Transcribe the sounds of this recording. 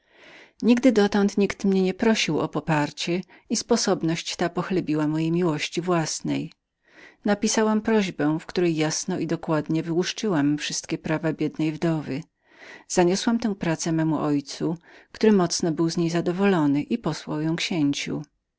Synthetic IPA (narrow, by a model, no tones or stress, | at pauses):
ɲiɡd̪ɘd̪ɔt̪ɔnt̪ɲikt̪mɲɛɲɛpɾɔɕiwɔ̰pɔpaɾt͡ɕɛ | ispɔsɔbnɔɕt͡ɕt̪apɔxlɛbʲiwamɔjejmʲiwɔɕt͡ɕivwasnɛ̰j | napʲisawampɾɔʑbɛ̃w̃fkt̪uɾɛjːasnɔʔid̪ɔkwad̪ɲɛvɘwuʂt͡ʂɘwamfʂɘst̪kʲɛpɾavabʲjɛd̪nɛjvd̪ɔvɘ | z̥aɲɔswamt̪ɛ̃w̃pɾat̪sɛmɛmuʔɔjt̪sukt̪uɾɘmɔt̪snɔbɘwzɲejzad̪ɔvɔlɔnɘʔipɔswawjɔ̃w̃kɕeɲt͡ɕṵ